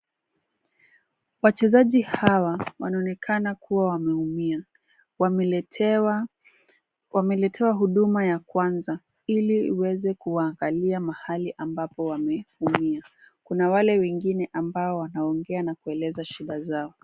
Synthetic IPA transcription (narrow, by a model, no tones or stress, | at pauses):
wat͡ʃɛzaʄihawawanaɔnɛkʰanakuwawamɛumia | wamɛlɛtʰɛwaɦuɗumajakwanza | iliḭwɛzɛkuwaːŋɡaliamahaliʔambapɔwamɛumia | kunawalɛwɛŋɡinɛʔambaɔwanaɔŋɡɛanakuɛlɛzaʃiɗazaɔ